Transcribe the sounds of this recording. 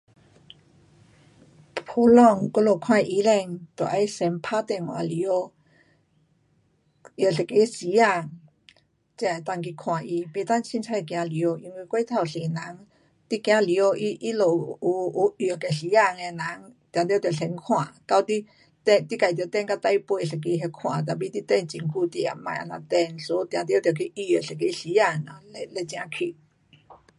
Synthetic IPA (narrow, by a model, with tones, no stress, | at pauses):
pʰo˧˦lɔ˥˧ŋko˥˧˦lo˨kʰw̃ã˥˧˨ʔi˧lɛ˧˨ŋt̪ɔ˨˩ʔa˧jsɛ˧˦mpʰa˦t̪ɛ˧˨ŋwa̰˨li˧o˧˦ | jə˨ɬɛ˨ke˨˦si˨˦a˥˧˩ŋ | t͡ɕi˧˨t̪a˧ŋk̬i˧kʰw̃ã˨˩ʔi˧pe˧t̪a˥˨nt͡ɕʰi˧nt͡sʰa˧˥˧kj̃ã˧li˧˨o˧ʔi˧nwi˧kwe˦t̪ʰa˧˨wɬe˨˩na˨˦ŋ | t̪i˦kj̃ã˧li˧o˧ʔi˦ʔi˦lo˨˩u˧u˧jo˨ke˨˩ɬi˨˧˦a˧˨ŋe˧na˨˦ŋt̪jã˨˧t̪jt̪jɬɛ˧ŋkʰw̃ã˨ka˧wt̪i˦ | t̪ɛ˧t̪i˦ka˨t̪jt̪ɛ˥˧˨nka˧˦t̪a˧˦jpwe˧˨ɬɛ˨˩k̬i˧˦ɦe˧kʰw̃ã̰˨t̪̬a˧bi˧˦t̪i˧˦t̪ɛ˥˧˨nt͡ɕi˧˩ŋku˧˨t̪ḭ˨a̰˨mã̰˨ʔa̰˧nã˧t̪ɛ˥˧nso˧˦˧t̪j̃ã˧t̪̬jt̪jkʰi˧˦ʔi˧o˨ɬe˨ke˧˦ɬi˨˧˦a˥˧˩ŋa˨le˧le˧t͡ɕj̃ã˧kʰi˧